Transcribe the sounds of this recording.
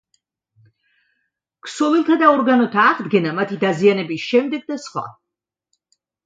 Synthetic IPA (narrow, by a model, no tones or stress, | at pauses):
ksɔvilˠt̪ʰad̪aɔɾɡanɔt̪ʰaːʁd̪ɡɛnamat̪ʰid̪azianɛbisʃɛmd̪ɛɡ̚d̪asχwa̰